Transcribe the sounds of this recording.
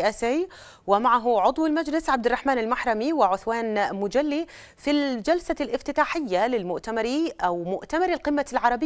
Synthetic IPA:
ʔaːsaː | wɪmaʕaɦʊʕʊd̪ˤwɪlmad͡ʒlɪsʕab̚d̪ɪrˤːɑħmaːnɪlmaħɾˤɑmiwɪʕʊθwaːnmʊd͡ʒalːi | fild͡ʒalsalʔɪft̪ɪt̪aːħɪjːalɪlmʊʔt̪amɑɾiʔawmʊʔt̪amɑɾɪlqɨmːalʕɑɾˤɑbɪ

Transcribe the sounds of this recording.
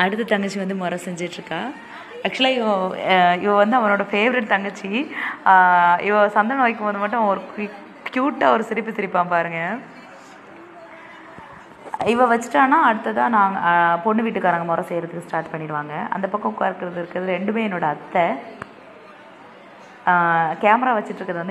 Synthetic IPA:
ɐɽɯt̪̬ːɐt̪ɐŋɡɐt͡ʃːiʋɐnd̪ɯmɔɾɐsɛɲd͡ʒɪʈːɾɯkːãː | ɐk̚t͡ʃʊlaːɪʋɐɪʋɐʋɐnd̪ɯɐʋɐnoːɽɐfeːʋɪɾɪʈt̪ɐŋɡɐt͡ʃːi | ɪʋɐsɐnd̪ɐnoːɪkːɯmboːðɯmɐʈːʊ̃ɔɾɯ | kjuːʈːaːɔɾɯsɪɾɪpːɯt̪ɪɾɪpːaːpaːɾɯŋɡɐ | ɪʋɐʋɐt͡ʃːɯ̥ʈːãːnãːɐɽɯt̪ːɐt̪ãːnaːpɔɳːɯʋiːʈːɯkːaːɾaːŋɡɐmɔɾɐ̃sɛjɾɐðɯkːɯsʈaːɾʈpɐɳːɪɽɯʋaːŋɡɐʔɐ̰nd̪ɐpɐkːɐ̃kːaːɾɯkːɪɾɐðɯɾɯkːɾɐðɯɾɛɳɖɯmeːɛnːoːɽɐɐt̪ːɛ | kaːmɐɾaːʋɐt͡ʃːɯʈːɾɯkːɾɐðɯʋɐnd̪

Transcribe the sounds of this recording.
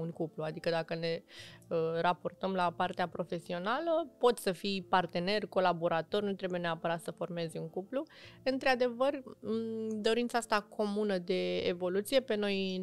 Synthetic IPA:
uŋkupluad̪ikəd̪akəne̞əɾapo̞rt̪əmlapart̪eapɾo̞fe̞sio̞naləpo̞t̪səfijpart̪e̞ne̞rʲko̞labo̞ɾat̪o̞rʲnut̪ɾe̞buje̞ne̞apəɾat̪səfo̞rme̞zʲuŋkupluɨnt̪ɾad̪e̞vər | d̪o̞ɾint̪saast̪akʰo̞munəd̪e̞̰ːvo̞lut̪sije̞pe̞no̞j

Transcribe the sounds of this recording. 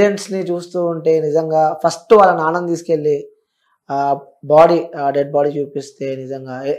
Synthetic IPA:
eɳʈsnit͡ʃuːst̪uːuɳʈe̞ːnid͡ʒɐŋɡaːpʰɐsʈʋaːlːɐnaːnɐnd̪iːsu̥ke̞ɭːi | baːɽiɖeɖ̚baːɽit͡ʃuːpist̪e̞ːnid͡ʒɐŋɡaː

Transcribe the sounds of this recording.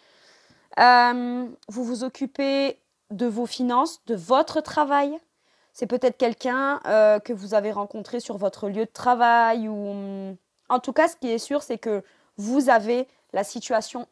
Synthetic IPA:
ømvuvuzɔkʲype | d̪əvofinɑ̃sd̪əvɔt̪χət̪χavaj | sɛpøt̪ɛt̪χkʲɛlkʲɛ̃økəvuzaveʁɑ̃kɔ̃t̪χesyʁvɔt̪χəljød̪ət̪χavajum | ɑ̃t̪ukasə̥kʲiɛsyʁsɛkə | vuzave | lasit̪ɥasjɔ̃

